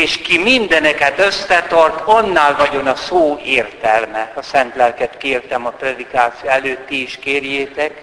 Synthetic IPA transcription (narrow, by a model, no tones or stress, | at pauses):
eːʃkimind̪ɛnɛkɛt̪øsːɛt̪ɒrt̪ɒnːaːlvɒɟo̞nɒsoːeːrt̪ɛlmɛɒsɛnt̪lɛlkɛt̪keːrt̪ɛmɒprɛd̪ikaːt̪sijoɛløːt̪ːiiʃkeːrjeːt̪ɛk